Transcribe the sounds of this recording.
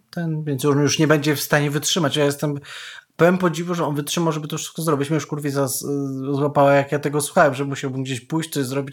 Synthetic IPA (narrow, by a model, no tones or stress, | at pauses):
t̪ɛnvʲjɛnt̪sjujuʂɲɛbɛɲd͡ʑɛfst̪aɲɛvɘtʂɘmat͡ɕjajɛst̪ɛmpɛvɛmpɔd͡ʑivuʐɛɔnvɘtʂɘmawʐɛbɘt̪ɔfʂɘ̥st̪kɔzɾɔbʲit͡ɕmʲijuʂkuɾvʲizaszwapawajakjat̪ɛɡɔswuxawɛmʐɛmuɕawbɘmɡd͡ʑeɕpujɕt͡ɕtsɔɕzɾɔbʲit͡ɕ